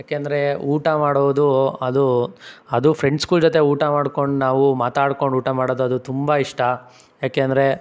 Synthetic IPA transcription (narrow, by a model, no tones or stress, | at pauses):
jaːkeːɐnd̪ɐɾe̞uːʈamaːɽoʋd̪uɐd̪uɐd̪upʰɾe̞ɳɖskuːld͡ʒot̪e̞uːʈamaːɽko̞ɳɖnaːʋumaːt̪aːɽko̞ɳɖuːʈamaːɽoːd̪uɐd̪ut̪umbaiʂʈɐ | jaːkeːɐnd̪ɐɾe̞